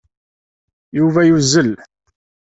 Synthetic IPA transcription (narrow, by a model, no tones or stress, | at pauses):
juvæjuzːəl